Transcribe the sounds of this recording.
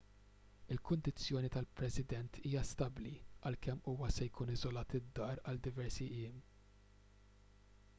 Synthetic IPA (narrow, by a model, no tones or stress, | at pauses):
ɪlkʊnd̪ɪt͡sːjɔːnit̪ɐlpɾɛsɪd̪ɛnt̪ʰiːjɐst̪ɐbliɐlkɛmːuːwɐsɛjkuːnɪzɔlɐːt̪ɪd̪ːɐːɾɐld̪ɪvɛɾsiʔɪːm